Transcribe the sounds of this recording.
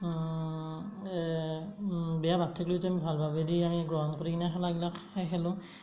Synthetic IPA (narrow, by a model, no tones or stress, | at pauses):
bɛjabʱatʰːɛklojtɛamibʱalbʱabediamiɡɹɔɦɔnkoɹikinaɦɛlaɡilakɛɦɛlʊ̃